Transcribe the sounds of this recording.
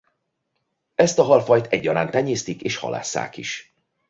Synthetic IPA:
ɛst̪ɒɦɒlfɒjt̪ɛɟːɒɾaːnt̪ɛɲeːst̪ikeːʃhɒ̰la̰ːsːa̰ːkḭʃ

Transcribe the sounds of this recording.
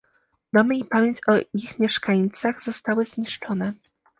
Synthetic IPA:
d̪ɔmɘipamʲjeɲt͡ɕɔixmʲjɛʂkaɲt̪saɣzɔst̪awɘzɲiʂt͡ʂɔnɛ

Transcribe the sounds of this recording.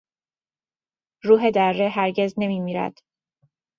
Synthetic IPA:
ɾuːɦe̞d̪ærːeɦæɾɟe̞zne̞miːmiːɾæ̰d̪̥

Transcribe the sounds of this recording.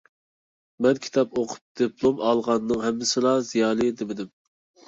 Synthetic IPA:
mɛnkʲʰi̥t̪ʰɑpoqʰʊ̥p̚d̪̥ɨpʰlˠomɑlˠʁɑnːɨŋɦɛmːɪsɪlˠɑzijɑːlˠɨd̪ɪmɪd̪ɪm

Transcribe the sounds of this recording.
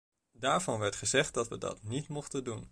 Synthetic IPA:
daːɹvɑnʋɛɹtχəzɛχt̚dɑtʋədɑ̰tnitmɔχtəndun

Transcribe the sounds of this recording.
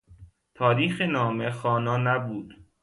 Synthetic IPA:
t̪ʰɒːɾiːxenɒːmexɒːnɒːnæbuːd̪̥

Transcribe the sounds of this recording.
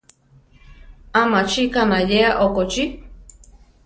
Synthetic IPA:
ãmãt͡ʃikanãjeaʔokot͡ʃi

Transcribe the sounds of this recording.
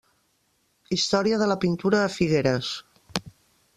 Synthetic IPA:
ist̪ɔɾiəðələpint̪uɾəːfiɣeɾəs

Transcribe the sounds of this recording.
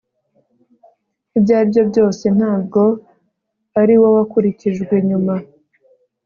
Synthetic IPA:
ibɟaːbɟo̞bɟo̞ːse̞n̥aːb̚ɡo̞ | aɾiwo̞wakuɾiciʒɡwe̞ɲuma

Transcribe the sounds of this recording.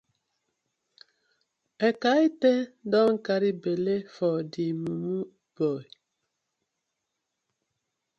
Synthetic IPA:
ekaitedɔŋ̩kaɾibelefɔdimumu | b̥ɔ

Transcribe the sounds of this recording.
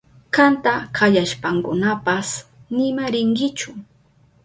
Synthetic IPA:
kant̪akajaʃpaŋkʊnapasnɪmaɾɪŋkɪt͡ʃʊ

